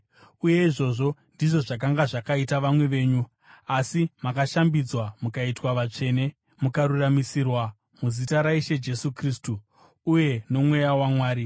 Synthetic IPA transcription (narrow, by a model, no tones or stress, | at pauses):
uje̞iʐo̞ʐo̞ndiʐo̞ʐak̬aŋɡaʐakaitaʋamwe̞ʋe̞ːɲu | asimakaʃambid͡zwamukaitwaʋat͡ʂe̞ːne̞ | mukaɾuramisirwa | muzitaɾaiʃe̞d͡ʒe̞sukristuː | je̞no̞mwe̞jawamwaːɾi